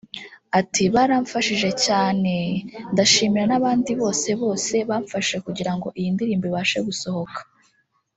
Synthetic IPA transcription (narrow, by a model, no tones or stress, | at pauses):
atiβaɾaɱfaʃiʒe̞caːne̞ndaʃiːmiɾanaβaːndiβo̞ːse̞βo̞ːse̞βaːɱfaʃe̞kuɟiɾaŋɡo̞ʔijindiɾiːmbiβaːʃe̞ɡuso̞ho̞kḁ